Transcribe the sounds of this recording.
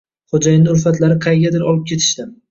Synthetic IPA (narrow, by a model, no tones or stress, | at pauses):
χod͡ʒajɪnɪʊɾfat̪laɾɪqʰɑjɡʲad̪ɪɾɒlˠɪp̚kʲʰe̞t̪ʰɪ̥ʃt̪ɪm